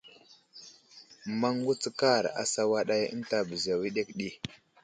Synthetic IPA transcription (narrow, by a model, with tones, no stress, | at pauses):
ma˦ŋɡu˦t͡sə˦ka˦˨ɾa̰˨sa˦wa˦ɗa˦jə̰˦nta˦˨bə˨za˨wi˦ɗe˦kɗi˦